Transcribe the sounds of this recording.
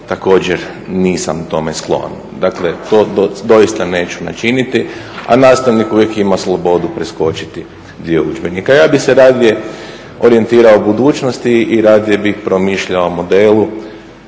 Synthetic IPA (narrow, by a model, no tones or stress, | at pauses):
t̪ako̞ːd͡ʑeɾ | niːsa̰mut̪o̞me̞sklˠo̞̰n | d̪akle̞t̪oːd̪od̪o̞ist̪ane̞ːt͡ʃu̥na̰t͡ʃinit̪i | a̰naːst̪aʋnikuʋjekimaslˠobo̞d̪upɾesko̞t͡ʃi̥t̪i | d̪io̞ud͡ʒbenikajaːbixseɾaːd̪je̞ | o̞ɾie̞nt̪iːɾaobud̪uːt͡ʃnost̪iːɾaːd̪jebixpɾo̞miːʃʎaomo̞d̪elu